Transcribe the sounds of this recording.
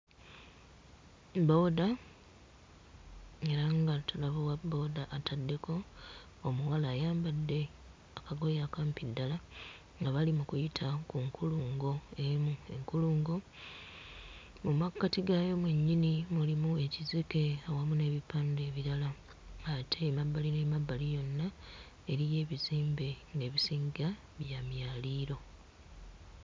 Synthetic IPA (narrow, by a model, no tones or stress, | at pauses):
bo̞ːda | e̞ɾaŋɡatalaβowabo̞ːdaʔːtadːe̞ko̞ː | muwalaːjaːmbadːe̞ | akaɡo̞jakampidːala | ŋɡaβalimukujitʰakuŋkʰuluːŋɡo̞emue̞̰ŋkuluːŋɡo̞ | mumakːatiɡajo̞mweɲːinimulimue̞cizike̞awamune̞ːβipaːnde̞ːβiɾala | atʰe̞mabːalinemabːalijo̞nːa | e̞ɾije̞ːβiziːmbe̞ŋɡe̞ːβisiːŋɡa | βjamjaːliːɾo̞